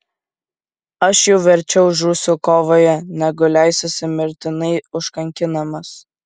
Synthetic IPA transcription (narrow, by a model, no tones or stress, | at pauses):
ɐʃjɛʊʋʲɛɾʲt͡ʃʲɛʊʒuːsʲukoːʋoːjɛnʲæɡʊlʲæˑɪsʲɛsʲɪmʲɪɾʲt̪ʲɪnɐɪʊʃkɐŋʲkʲɪnɐmɐs